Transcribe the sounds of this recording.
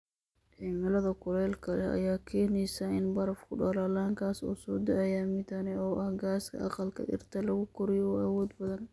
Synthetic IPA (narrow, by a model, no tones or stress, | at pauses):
ʔiːmɐlɐðɐkʰʊlɛːlkʰɐlɛʔɐ̰jaːkʰɛːnɛjsɐɪnbɐɾɐfkʰʊɖɐlaːlaːŋkʰaːsṵːsɔːd̪ɐʔɐjaːmɪd̪ɐnɛɔːʔɐhɡaːskʰɐ̰ʔɑqɑlkʰɐ̰ʔɪ̰rt̪ʰɐlɐɣʊkʰʊɾɪjɔʔɐwɔːd̪bɐðɐn